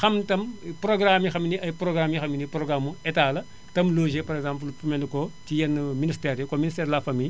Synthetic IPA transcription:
xɐmtɐmproɡɾamjixɐminiɐjproɡɾamjixɐminiproɡɾamuɛtaːlɐ | tɐmloːʒepɐɾɛɡzãːmplupumɛndukotijɛnːministɛːɾjokoministɛːɾlafɐmij

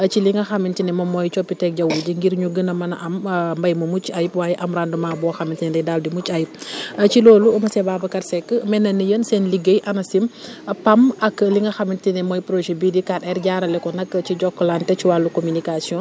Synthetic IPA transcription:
ət͡ʃiliŋɡɐxɐmːintinɛmɐmɔjt͡ʃɔpːitɛk̚ɟɐwulɟiŋɡiɾɲuɡənɐmɐnɐ̰ʔɐmmbɐjmɐmut͡ʃɐjipwaːjɛʔɐmɾandumabɔːxɐmintinɛdɛjdaːldimucɐjip̚ɐt͡ʃilɔːluumɐsɛbaːbɐkɐrsɛkːəmɛnːɐnːəjənsɛnliɡəjʔɐnɐsimpɐmɐkːəliŋɡɐxɐmintinɛmɔjpɾoʃebidikatɛɾɟaːɾɐlɛkɔnɐkːət͡ʃiɟɔkːɐlantɛt͡ʃiwalukominikasiɔ̃

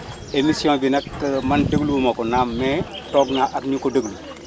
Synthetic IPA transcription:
emisiõːbinɐkːmɐndəɡlubumokɔnamːɛtɔɡnaʔakɲukodəɡlu

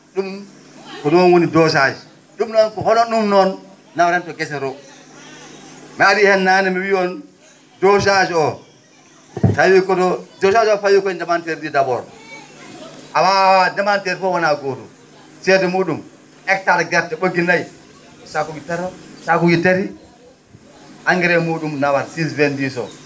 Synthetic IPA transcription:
ɗum | kɔnɔnwonidɔs̬ad͡ʒi | ɗumnɔnkɔhɔnɔnɗumnɔnː | awaɾɛntɔɡɛsɛɾɔ | mɛadihɛnːanɛmiwiɔn | dɔs̬ad͡ʒiɔ | tajikɔdɔdɔs̬ad͡ʒɔfajikɔindɛmanteɾididabɔ̰ɾ | awadɛmanteɾfɔwanaɡodṵ | sɛdɛmuɗum | ɛk̚taɾɡatːɛɓoɡinaj | ɔsakuɡitaɾɔsakuɡiteɾi | aŋɡɛɾɛmuɗumnawaɾsis̬ventisɔ̰

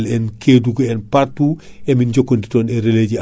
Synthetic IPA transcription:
lɛnkʰeːduɡɐɛnpartuːɛminɟɔkːondi̥tɔːnɛɾeleɟi

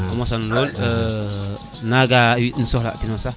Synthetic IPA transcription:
umosanlolə | naɡawin̩sɔhla̰tinosa

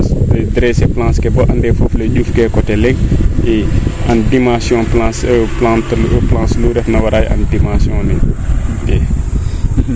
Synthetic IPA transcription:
sɐdɾɛsɛplãːskɛbɔʔɐndɛːfoflɐɟufkɛkɔtɛlɛŋiɐndimãsjɔ̃ːplãsplãːntplãːnsluɾɛfnɐwɐɾaːjɐ̰ndimãːsjɔ̃ːnitɛ

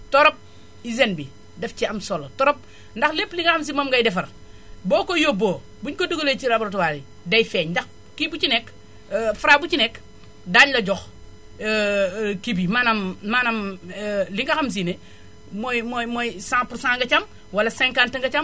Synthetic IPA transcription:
tɔɾɔp̚ | izenbi | dɛfciɐmsɔlotɔɾɔp̚ | ndɐxlepːliŋɡɐxɐms̬imomɡɐjdɛfɐr | bɔːkojoboː | buɲkoduɡolet͡ʃiɾaboɾt̬uwaɾi | dɐjfɛːɲndɐx | kibut͡ʃinɛk | fuɾabut͡ʃinɛk | daːɲlɐɟɔx | kibimanɐmmanɐm | liŋɡɐxɐms̬ine | mojmɔjmojsãːpuɾsãːŋɡɐt͡ʃɐm | wɐlɐsɛ̃ŋkantɐŋɡɐt͡ʃɐm

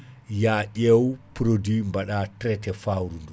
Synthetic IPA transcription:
jaʔʲɛwpɾodimbaɗatɾɛtɛfawɾundu

